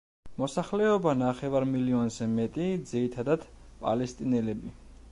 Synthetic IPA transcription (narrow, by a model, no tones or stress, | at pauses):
mɔsaχlɛɔbanaχɛvaɾmiliɔnzɛmɛt̪ʼid̪ziɾit̪ʰad̪ad̪̥ | pʼa̰lɛst̪ʼinɛlɛbi